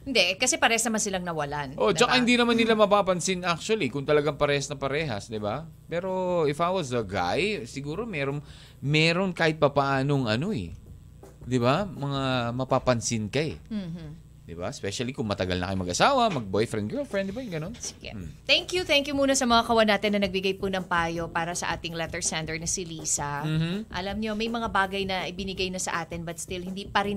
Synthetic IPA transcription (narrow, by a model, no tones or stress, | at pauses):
hɪnd̪ɛʔkɐsɛpɐɾɛhɐsnɐmansɪlaŋnɐwɐlanʔo̞t͡ʃɐkahɪnd̪inɐmanːɪlamɐpaːpɐnsɪnak̚t͡ʃuɐlikʊŋt̪ɐlɐɡaŋpɐɾɛːhɐsnɐpɐɾɛːɦɐsd̪ɪba | pɛːɾo̞ɪfat̪wɐzd̪ɐɡa̰jsɪɡuːɾo̞mɛɾon | mɛːɾo̞nkaːhɪt̪̚pɐpɐaʔaːnoŋʔɐno̞ɛ̰ | d̪ɪbamɐŋamɐpapɐnsɪnkɐɛ | d̪ɪba̰ɛspɛʃɐlikʊŋmɐt̪ɐɡɐ̰lnɐ̰kɐjmɐ̰ɡ̚ʔɐsaːwɐmɐɡ̚bojfɾɛn̚ɡɛlfɹɛnd̪ɪbajʊŋɡɐnonsɪ̥ɡ̥ɛ̰t̪ɛŋkjut̪ɛŋkjumuːnɐsɐmɐŋakɐwɐnaːt̪ɪnːɐnɐɡ̚bɪɡajpʊnɐŋpaːjo̞paːɾɐsɐʔa̰ːt̪ɪŋlɛt̪ɛɹsɛnt̪ɛɹnɪsɪliːsɐm̩ːm̩ʔɐlɐmɲo̞mɐjmɐŋabaːɡɐjnɐʔɪbɪnɪɡajnɐsɐ̰ʔaːt̪ɪnbɐt̪̚st̪ɪlhɪnd̪iːpɐɾɪn